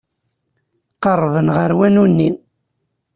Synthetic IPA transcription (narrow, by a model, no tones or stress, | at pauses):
qərˤːvənʁəɾwænunːin